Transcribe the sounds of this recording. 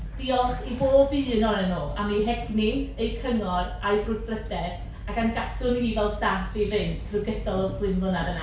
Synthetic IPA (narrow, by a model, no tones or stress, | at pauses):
d̥iɔχiboːbiːnɔnɛnoːamiɦɛɡniejkʰəŋɔrajbrʊdfrədɛd̥ | akamɡadʊniːvɛlˠsaθivɪntrɨɡədɔlˠɔbʰlˠɪnvənadəna̰